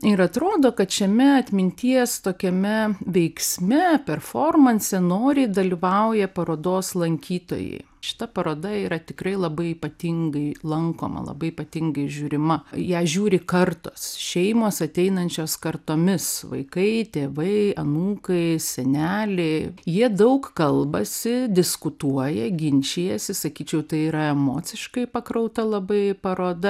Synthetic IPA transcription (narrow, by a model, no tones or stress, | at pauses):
ɪɾɐt̪ɾoːd̪oːkɐt̪ʃʲɛmʲɛɐt̪ʲmʲɪnʲt̪ʲiɛst̪oːkʲɛmʲɛʋʲɛɪksʲmʲɛpʲɛrfoːrmɐnʲsʲɛnoːɾʲɪːd̪ɐlʲiʋɐʊjɛpɐɾoːd̪oːslˠɐŋʲkʲiːt̪o̰ːjɛ̰ɪ | ʃʲɪ̥t̪ɐpɐɾoːd̪ɐiːɾɐt̪ʲɪkɾɐɪlˠɐbɐɪiːpɐt̪ʲɪŋɡɐɪlˠɐŋko̰ːmɐ̰lˠɐ̰bɐɪipɐt̪ʲɪŋɡɐɪʒʲuːɾʲɪmɐjæːʒʲuːɾʲɪkɐrt̪oːsʃʲɛɪmoːsɐt̪ʲɛɪnɐnʲt͡ʃʲoːskɐrt̪oːmʲɪsʋɐ̰ɪkɐɪt̪ʲeːʋɐɪɐnuːkɐɪsʲɛnʲæːlʲɛɪjiɛd̪ɐʊkkɐlˠbɐsʲɪd̪ʲɪskʊt̪uɔjɛɡʲɪnʲt͡ʃʲeːjɛsʲɪsɐkʲiːt͡ʃʲɛʊt̪ɐɪiːɾɐɛmoːt͡sʲɪʃkɐɪpɐkɾɐʊt̪ɐlˠɐbɐɪpɐɾoːd̪ɐ